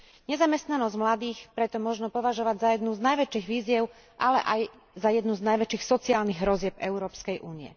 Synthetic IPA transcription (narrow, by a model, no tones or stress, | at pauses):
ɲɛzamɛst̪nanɔzɟmlad̪iːxpɾɛt̪ɔmʊɔʒnɔpɔʋaʒɔʋaɟzajɛd̪nuznajʋɛt͡ʃiːɣʋiːzjɛʊ | ʔalɛ̰ʔaj | zajɛd̪nuznajʋɛt͡ʃiːxsɔt͡siaːlniɣɦɾɔzɪɛbɛʊɾɔːpskɛjʔuːniɛ̰